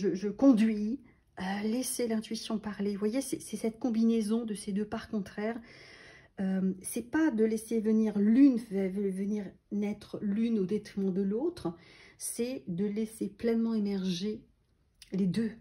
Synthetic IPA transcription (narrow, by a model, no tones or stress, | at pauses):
ʒəʒəkɔ̃d̪ɥi | aleselɛ̃t̪ɥisjɔ̃paʁlevwajesɛsɛsɛt̪̚kɔ̃binezɔ̃d̪əsed̪øpaʁkɔ̃t̪χɛːʁ | ømsɛpad̪əlɛsevəniʁlynfɛvvəniʁ | nɛt̪χlynod̪ɛt̪χimɑ̃d̪əlot̪χsɛd̪əlɛseplɛnmɑ̃emɛʁʒe | led̪ø